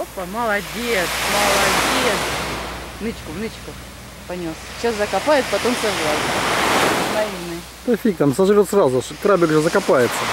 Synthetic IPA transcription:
opːəməlˠɐdʲet̪sməlˠɐdʲet̪s | nɨt͡ɕkʊvnɨt͡ɕkə | pɐnʲost͡ɕaszəkɐpajɪt̪pɐt̪omsʲaʐɾajʲɪt̪ | vɐjʲinɨ | t̪ɐfʲik̚t̪amsɐʐɾʲot̪srazʊʂkɾabʲɪkʐəzəkɐpajɪt̪sːə

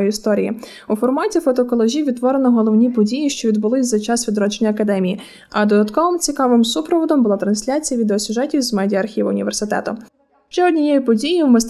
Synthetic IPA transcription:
jist̪ɔɾʲijḭ | ufɔrmɑtʲifɔt̪ɔkɔlˠɔʒʲiʋʲid̪t̪ːʋɔɾenɔɦɔlˠɔwnʲipɔdʲijiʃt͡ʃɔʋʲid̪bʊlˠɪsʲzɐt͡ʃɑsʋʲid̪ɾɔt͡ʃenʲːɐɐkɐd̪ɛmʲiji | ɐd̪ɔd̪ɐt̪kɔʋɪmt͡sʲikɑʋɪmsupɾɔʋɔd̪ɔmbʊlˠɑt̪ɾɐnsʲlʲat͡sʲijɐʋʲid̪eɔsʲʊʒɛtʲiwzmɛdʲiɐɐrxʲiʋɐʊ̰nʲḭʋersɪt̪ɛ̰t̪ʊ | ʃt͡ʃɛɔdʲnʲijɛjipɔdʲijiwmɪst̪

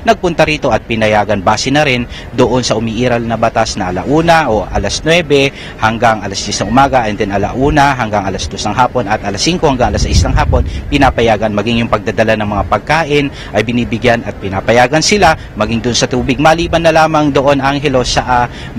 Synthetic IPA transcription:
nɐɡ̚pʊnt̪ɐɾiːt̪o̞ɐt̪̚pɪnɐjaːɡɐnbaːsɛnɐɾɪn | d̪oʔo̞nsɐʔʊmiːʔiːɾɐlnɐbɐt̪asnɐʔɐla̰ʔuːnɐʔoʔɐ̰lɐsnwɛbɛ | hɐŋɡaŋʔɐlɐsd̪jɛsnɐŋʔʊmaːɡɐʔɛnd̪ɛnɐla̰ʔuːnɐɦɐŋɡaŋɐlasd̪o̞snɐŋɦaːpo̞nɐt̪ʔɐlasːiŋko̞hɐŋɡaŋʔɐlasijsnɐŋɦaːpo̞npɪnaːpɐjaːɡɐnmɐɡɪŋjʊŋpɐɡ̚d̪ad̪ɐlanɐŋmɐŋapɐɡ̚kaːʔɪn | ʔɐjbɪniːbɪɡjanɐt̪̚pɪnaːpɐjaːɡɐnsɪla | mɐɡɪŋd̪oʔonsɐt̪uːbɪɡ̚mɐliːbɐnːɐlaːmɐŋd̪oʔo̞naŋɦɛlo̞sɐʔa

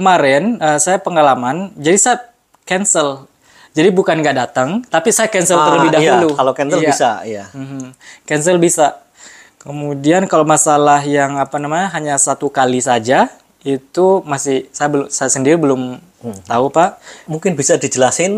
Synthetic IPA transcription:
kəmaɾɛnəsajapəŋalamand͡ʒadisaja | kɛnsəl | d͡ʒadibukanɡaʔdat̪əŋt̪apisajakɛnsələrləbɪidajulukalokɛnsəljaisajam̩hm̩kɛnsəlbisa | kəmudiankalomasalaɦjaŋapanamaɲaɦaɲasat̪ukalisad͡ʒa | it̪umasɪhsajabəsajasəndiɾibəlʊm | t̪aupaʔmuŋkɪnbisadid͡ʒəlasɪn

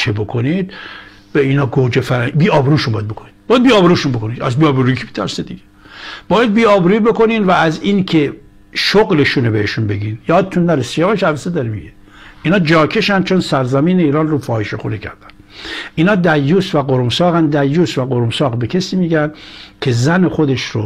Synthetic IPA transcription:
t͡ʃʰebo̞kʰonid̪ | beiːnɒːɡod͡ʒefæɾbiːɒːbeɾuːʃunbɒːjæd̪̚bo̞kʰonid̪̥b̥ɒːjæd̪̚biːɒːbeɾuːʃunbo̞kʰo̞nid̪æ̰zbiɒːbɾuikʰi̥be̥t̪ʰæɾsed̪iɡeb̥ɒːjæd̪̚biːɒːbɾuiːbekoniːnvæːziːnkʰe | ʃoɣleʃunobeheʃunbe̞ɡinjɒːd̪et̪unːæɾesi̥æmæʃævæsed̪ɒɾemiɡe | iːnɒːd͡ʒɒːkʰe̞ʃænd̪t͡ʃʰonsæɾzæmiːneiːɾɒːnrofɒːheʃexṵnecʰæ̰ɾd̪æ̥nʔiːnɒːd̪æjːuːsvæɡoɾomsɒːɣænd̪æjːuːsvæɡoɾomsɒːɣbekʰesiːmiːɡænkʲʰezænexod̪e̞ʃɾo

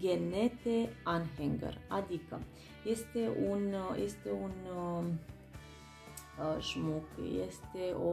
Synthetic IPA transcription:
ɡʲenet̪eanɦeŋɡə̰rad̪ikə̰ | je̞st̪e̞ʔunjest̪e̞un | ʒmukjḛst̪eʔo

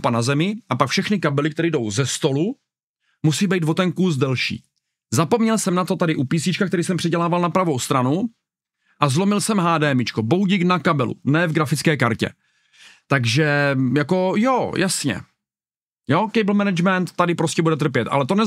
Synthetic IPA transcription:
panazɛmɪʔapakfʃɛxnɪkabɛlɪk̚t̪ɛɾiːdo̞wzɛst̪o̞lu | musiːbɛjt̪vo̞t̪ɛnkus̬dɛlʃḭː | zapo̞mɲɛlsɛmnat̪o̞t̪adɪʔupiːsɲɪt͡ʃkakt̪ɛɾiːsɛmpr̥ɛɟɛlaːvalnapɾavo̞wst̪ɾanu | ʔazlo̞mɪlsɛmɦaːdɛːmɪt͡ʃkobo̞ɦuɟiknakabɛlṵnɛːvɡɾafɪt͡skɛːkaɾcɛ̰ | t̪aɡʒɛjako̞jojʔasɲɛ̰ | jo̞kɛjbl̩mɛnɛd͡ʒmɛnt̪ːadɪpɾoscɛbudɛt̪r̩pjɛt̪ʔa̰lɛt̪o̞nɛ

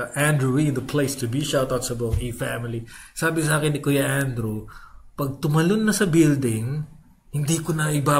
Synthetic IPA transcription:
ʔand̪ɾuwiɪ̃nd̪ɐpʰlejst̪ʊbiʃat̪ot̪sɐbɐŋifæmɪlisaːbɪsaːkɪnɪkojɐʔand̪ɾupɐɡ̚t̪ʊmɐlonːɐsɐbɪld̪ɪŋ | hɪnd̪ikonɐɪbaː

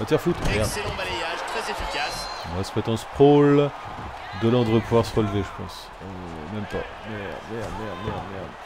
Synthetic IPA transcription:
mat̪jɛʁfut̪ɛɔ̃balejaʒt̪χɛzefikʲasmwasəpɛt̪ɑ̃spχol | d̪əlɑ̃d̪ʁəpuvwaʁsəʁəlveʒəpɑ̰̃s | ø | mɛmpa̰ | mɛmɛmɛmɛmɛ

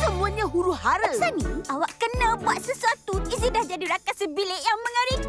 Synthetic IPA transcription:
səmũaɲãɦuɾuɦaɾəsanĩawaʔkənãbuat̪̚səsuat̪uizidahd͡ʒadiɾakasəbileʔjaŋmə̃ŋaɾi

